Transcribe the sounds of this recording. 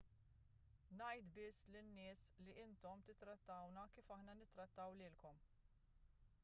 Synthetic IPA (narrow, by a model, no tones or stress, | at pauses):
nɐjt̪bɪsːlɪnːɪːsliʔɪnt̪ɔmt̪ɪt̪ːɾɐt̪ːɐwnɐkiːfɐħnɐnɪt̪ːɾɐt̪ːɐwlɪːlkɔm